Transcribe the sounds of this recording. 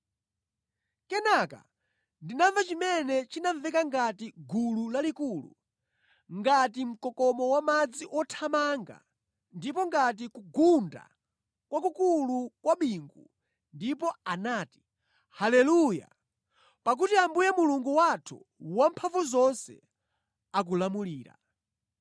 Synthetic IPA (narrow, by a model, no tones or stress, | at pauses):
kɛnaka̰ | ndinavat͡ʃimɛnɛt͡ʃinaɱvɛkaŋɡatiɡululalikulṵ | ŋɡatim̩kɔkɔmɔwamad͡ziʔɔtʰamaŋɡa̰ | ndipɔŋɡat̬ikuɡunda̰ | kwakukulukwaɓiːŋɡṵ | ndipɔanaːti̥ | halɛluja̰ | pak̬utiambujɛmuluŋɡuwatʰṵ | wampʰavuzɔnsɛ̰ | ak̬ulamuliːɾa̰